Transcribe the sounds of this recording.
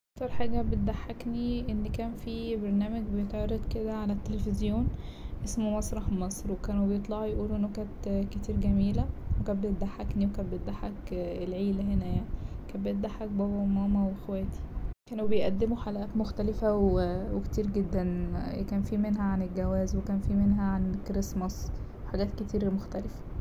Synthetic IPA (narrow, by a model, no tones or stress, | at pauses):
ʔʔɑk̚t̪ɑɾˤħaːɡæbet̪̚d̪aħːakniʔenːkæːnfibɑɾˤnæːmæɡbejet̪ʕɑɾˤːed̪ˤked̪æʕalæt̪ːelefezjoːnʔesmomɑsˤɾˤɑħmɑsˤɾwekæːnwebejet̪ˤlɑʕjʔuːlʔenːokæːnt̪ket̪iːɾɡæmiːlæwekæːt̪̚bejet̪̚d̪aħːakniwekæːnbet̪̚d̪aħːækelʕiːlæɦenæjaʕnikæːnbejet̪̚d̪aħːæk̚bæwomæːmæwexwæːt̪i̥kæːnwebejʔæd̪ːemoħalʔæːt̪moxt̪ælefæwweke̥t̪iːɾɡed̪ːænkæːnfiːmenɦæʕanelɡæwæːzwekæːnfiːmenɦæʕankɾesmɑs | weħaɡæːt̪ket̪iːɾmoxt̪ælefæ̥